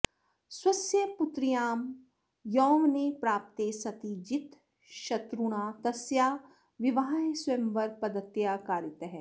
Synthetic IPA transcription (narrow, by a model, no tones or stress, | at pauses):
swɐsjɐpʊt̪ɾijaːm | jɔːʋnepɾaːp̚t̪esɐt̪id͡ʒɪt̪ | ʃɐt̪ɾuɽ̃aːt̪ɐsjaː | ʋɪʋaːɦaɦswemʋɐɾpɐd̪ət̪jaːkaːɾɪt̪ɦɛː